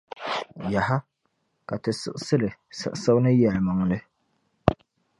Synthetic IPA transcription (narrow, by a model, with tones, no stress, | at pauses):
ja˨ha˦ | ka˨tɨ˨sɨ̰˦ʔsɨ˦lɨ˨sɨ̰˨ʔsa˦wnɨ˦jɛ˨lma˨ŋ˨lɨ˦